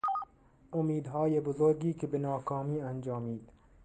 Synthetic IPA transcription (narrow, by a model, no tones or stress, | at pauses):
ʔomiːd̪ɦɒːjebozoɾɡiːkʰebenɒːkʰɒːmiːænd͡ʒɒːmiːd̪̥